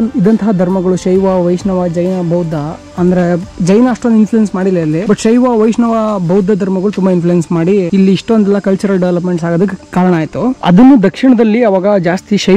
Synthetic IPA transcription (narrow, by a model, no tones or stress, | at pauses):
id̪ɐnt̪ɐɦɐd̪ʱɐɾmɐɡɐɭuʃɐjʋɐʋɐjʂnɐʋɐd͡ʒɐjnɐbʱɐwd̪ʱːɐ | ɐnd̪ɐɾed͡ʒɐjnɐːʂʈond̪infʰlujensmaːɽilːɐɐlːibɐʈʃɐjʋaʋɐjʂnɐʋɐbʱɐwd̪ːɐd̪ʱɐɾmɐɡɐɭut̪umbɐinflujensmaːɽiːlːiːʂʈond̪ɛlːɐkɐlt͡ʃɐɾɐlɖeʋlɐp̬me̞ɳʈsaːɡod̪ɐk̬ːekaːɾɐɳaːjt̪uɐ̰d̪ɐnːud̪ʱɐkʂiɳɐd̪ɐlːiɐʋaːɡɐd͡ʒaːst̪iʃɐ